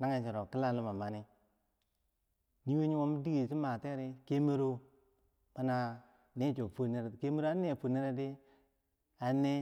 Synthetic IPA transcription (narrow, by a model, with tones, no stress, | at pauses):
na˦ŋe˦˨t͡ʃi˨ɾo˨ki˦la˦lu˦ma˨ma˨ni˦ | ni˦we˦ɲi˦wo˦m˦di˦ɡe˨si˦ma˨te˦ɾe˦ke˦me˦ɾo˦ | ma˦na˨ | ne˦t͡ʃo˨fo˦ne˦ɾke˦me˦ɾo˦a˦ne˦˨fo˨ne˦ɾe˦de˦ | a˨˦ne˦